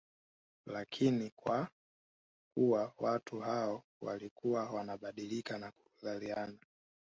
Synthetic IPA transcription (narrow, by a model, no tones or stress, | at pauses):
lakʰinikwa | kuwawatuɦaɔ | wa̰likuwawanaɓaɗilikanaku̥uðaliana